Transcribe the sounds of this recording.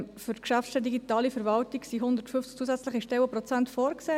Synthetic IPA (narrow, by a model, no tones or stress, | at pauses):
fʏtkʃæfʃtɛdiɡitɑːlifəɾvɑltiksiɦʊnd̪əɾtfʏft͡skt͡suəzɛt͡slɪχiʃtɛwəpɾɔt͡sæntfoːɾkseː